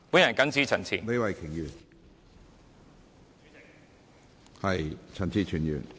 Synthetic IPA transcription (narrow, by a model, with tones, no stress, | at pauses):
wu˨˥jɐ˨˩nkɐ˥nt͡siː˥t͡sʰɐ˨˩nt͡sʰḭː˨˩le˨˧˥wɐ˨jkʰɪ˨˩ŋjyː˨˩n | hɐ˨jt͡sʰɐ˨˩nt͡sʰiː˨˩t͡ʃʰyː˨˩njy̰ː˨˩n